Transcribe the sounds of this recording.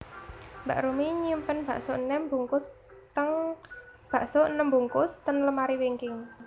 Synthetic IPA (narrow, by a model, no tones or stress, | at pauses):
mbaʔɾumiɲimpənb̥a̤ʔsoʔnəmbuŋkʊs | t̪əŋ | b̥ä̤ʔsoʔnəmbuŋkʊst̪ənləmaɾiweŋkɪŋ